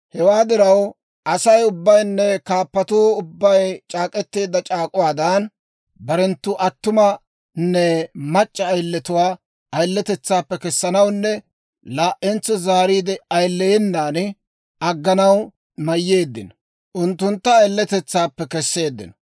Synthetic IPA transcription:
hɛwaːd̪ɪɾɐw | ʔɐsɐjʊbːɐjnːɛkaːpːɐt̪uːʊbːɐjt͡ʃʼaːkʼɛt̪ːe̞ːd̪ːɐt͡ʃʼaːkʼʊwaːd̪ɐn | bɐɾɛnt̪ːʊʔɐt̪ːʊmɐ | nːɛmɐt͡ʃʼːɐːjlːɛt̪ʊwaː | ɐjlːɛt̪ɛt͡sːaːpːɛkɛsːɐnɐwnːɛ | laːʔɛnt͡sːɔzaːɾiːd̪ɛɐjlːɛjɛnːaːn | ɐɡːɐnɐw | mɐjːe̞ːd̪ːɪ̰n | ʔʊnt̪ːʊnt̪ːɐːjlːɛt̪ɛt͡sːaːpːɛkɛsːe̞ːd̪ːɪ̰n

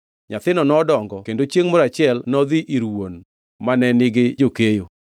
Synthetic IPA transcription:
ɲat̪ɪnɔnɔdɔŋɡɔkendot͡ʃjeŋmɔɾat͡ʃɪɛlnɔðiʔiɾwon | manɛnɪɡɪd͡ʒokejo

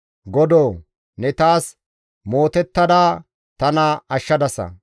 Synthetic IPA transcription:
ɡɔd̪oː | nɛt̪aːs | mo̞ːt̪ɛt̪ːɐd̪aː | t̪ɐnɐɐʃːɐd̪ɐsɐ̰

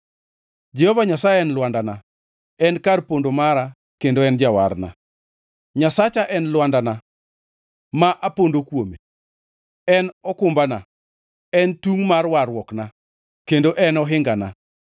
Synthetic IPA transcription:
d͡ʒɛhɔvaɲasajɛɛnlwandana | ɛnkarpondomaɾa | kendoɛnd͡ʒawa̰rna̰ | ɲasat͡ʃaʔɛnlwandana | maʔapondokwome | ɛnɔkʊmbana | ɛntuŋmarwarwɔkna | kendoʔɛnɔɦɪŋɡana̰

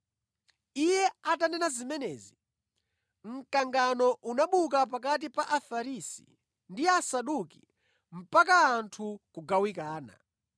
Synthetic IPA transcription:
ijɛatanɛnazimɛnɛːzi | ŋ̩kaŋɡanɔʔunaɓuk̬ap̬ak̬at̬ipaʔafaɾisḭ | ndiasaɗuki | m̩pak̬aːntʰukuɡawikaːna̰

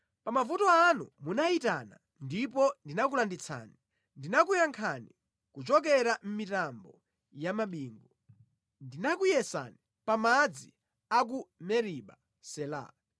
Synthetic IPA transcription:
pamavutɔanṵmunaitana | ndip̬ɔndinak̬ulandit͡sʰa̰ːni | ndinakujaŋkʰani | kut͡ʃɔkɛɾam̩mitambɔ | jamaɓiːŋɡɔ | ndinakujɛsa̰ni | pamad͡zi | ak̬umɛɾiɓa̰ | sɛla̰ː

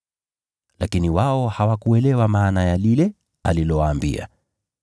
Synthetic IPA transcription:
lakiniwaɔhawakuɛlɛwamaːnajalilɛ | alilɔwaːmbḭa̰

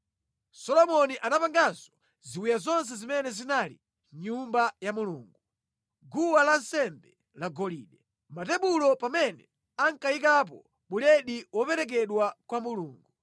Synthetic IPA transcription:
sɔlɔmɔniʔanapaŋɡazɔ | ziwijazɔns̬ɛzimɛnɛzinalḭ | ɲumbajamuluːŋɡu | ɡuwalan̩sɛmbɛ | laɡɔlḭːɗɛ | matɛɓulɔpamɛnɛ | aŋkaik̬ap̬ɔ̰ | ɓulɛɗiwɔpɛɾɛk̬ɛɗwakwamuluːŋɡu

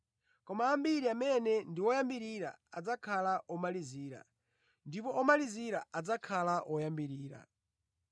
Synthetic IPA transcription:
kɔmaːmbiɾiamɛnɛndiwɔjambiɾiɾa̰ad͡zakʰalaʔɔmaliziːɾa̰ | ndipɔʔɔmaliziɾaad͡zakʰalaʔɔjambiɾiːɾa̰

